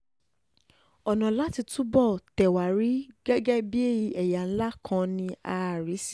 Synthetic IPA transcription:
ɔ˨nã˨la˦ti˧tũ˦bɔ˦˨tɛ˨wa˨ɾi˨˦ɡɛ˦ɡɛ˦bi˦e˦ji˧ʔɛ˨ja˨n̩˦la˦kʰã˧nĩ˧a˧˨ɾi˨˦si˦˨

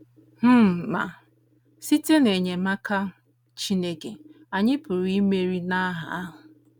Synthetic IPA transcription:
m̩˦ma̰˨ | si˦te˦ne˨ɲe˨ma˦ka˦ | t͡ʃi˦ne˦ke˨ | a˨ɲɪ˦pʊ˨ɾi˦me˦ɾi˦na˦ɦa̰˨a˦ɦʊ˨

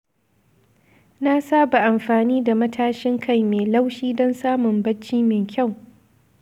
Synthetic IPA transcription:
na˦saː˦ba˨ʔa˨mɸaː˨niː˦da˨mɐ˦tʰaː˦ʃɪ˦ŋkʰa˦jmeː˨la˦wʃiː˦dɔ˦nsaː˦mʊ˨mbɐ˦t͡ʃːiː˦mɪ˨ŋkʲʰa˦˨w

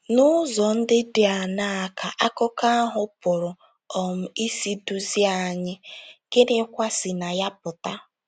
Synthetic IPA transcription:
nʊ˦zɔ˨n̩˦dɪ˦dɪ˨˦a˨na˦a˨kʰa˨ʔa˦kʊ˦ka˦ɦʊ˦pʊ˨ɾʊ˨ | ɔ˨m̩˨i˦si˦du˦zi˦a˦˨ɲɪ˦ke˦ɾe˦kʷa˦si˨na˨ja˦pʊ˨ta˦

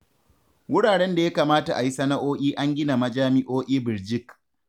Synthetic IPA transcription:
wʊ˦ɽaː˨ɽɛ˦nda˨ja˦kaː˨maː˦ta˨ʔa˨ji˦sɐ˦na˦ʔoː˦ʔʲiː˦ʔa˦ŋɡʲɪ˦na˨mɐ˦d͡ʒaː˦mɪ˦ʔoː˦ʔʲiː˦bɪ˨ɾd͡ʒɪ˦k

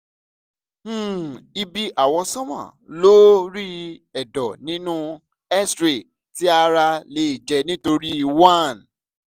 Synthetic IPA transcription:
i˧bi˧ʔa˨wɔ̃˧sɔ̃˦mã̰˦˨lo˦ɾi˦ɛ˨dɔ˨nĩ˨˦nũ˦ | ɛ˦stɾe˨ | ti˦a˧ɾa˧le˧˦i˨d͡ʒɛ˧nĩ˦to˧ɾi˦i˨wa˦˨n

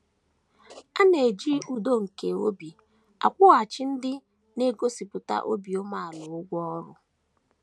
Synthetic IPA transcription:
a˦ne˨d͡ʒi˦u˦˨do˦ŋ̩˨ke˨o˦bi˨ | a̰˨kʷʊ˦a˨t͡ʃɪ˦n̩˦dɪ˦ | ne˦ɡo˦si˨pʊ˨ta̰˦ʔo̰˦bi˨o˦ma˦a˨lʊ˨ʊ˦ɡʷɔ˦ɔ˦ɾʊ˦

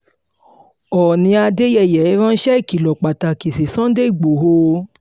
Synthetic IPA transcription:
ɔ˨nĩ˧a˧de˦jɛ˦˨jɛ˨˦ɾã˦n̩˦ʃɛ˦i˦˨ki˨lɔ˨k͡pa˨ta˨ki˨si˨sã˦de˦i˦˨ɡ͡bo˨ɦo˧

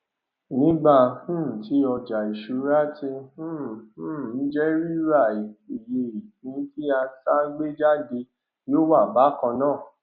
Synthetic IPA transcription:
nĩ˦ɡ͡ba˦˨hũ˦˨tʰi˨˦ɔ˧d͡ʒa˨i˨ʃu˨˦ɾa˦tĩ˧˦˨ | n̩˦d͡ʒɛ˦ɾi˦ɾa˦˨i˨i˨je˧i˨hĩ˨˦ti˦a˧ta˦ɡ͡be˦d͡ʒa˦de˧ | joː˦˨wa˦˨ba˨˦kɔ̃˧nãː˦˨

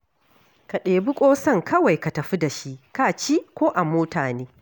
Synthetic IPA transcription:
ka˨ɗeː˨bʊ˦kʷʼoː˦sɐ˦˨ŋkʰɐ˦wa˨jka˨tɐ˨ɸi˦da˨ʃi˦ʔka˦˨t͡ʃiː˦kʷoː˦ʔa˨moː˦taː˨neː˦

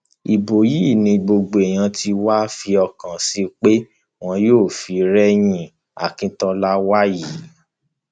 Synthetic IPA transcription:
i˨bo˨ji˦˨nĩ˧ɡ͡bo˧ɡ͡bo˨ɛ˨j̃ã˧ti˧wa˦fi˧ɔ˧kã˨si˦k͡pe˦ | w̃ɔ̃˧joː˦˨fi˨˦ɾɛ˦j̃ĩ˧ | a̰˨kĩ˧tɔ˧la˦wa˦ji˨˦

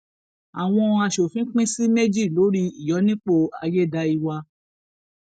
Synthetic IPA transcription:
a̰˨w̃ɔ̃˧a˧ʃo˨fĩ˨˦k͡pĩ˦si˦me˦d͡ʒi˦˨lo˨˦ɾi˧i˨jɔ˨˦nĩ˦k͡po˧a̰˧je˦˨da˧i˧wa˧

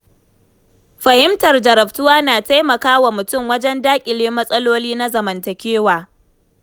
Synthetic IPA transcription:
ɸɐ˨hɪ˦mtɐ˨rd͡ʒɐ˨ɾɐ˨ɸtʊ˦waː˦naː˨ta˦jmɐ˨kaː˦wa˨mʊ˨tʊ˦˨mwɐ˦d͡ʒɛ˦ndaː˦kʲʼɪ˨leː˦mɐ˦sʼɐ˦loː˦liː˦na˦zɐ˨mɐ˨ntɐ˨kʲeː˦waː˨

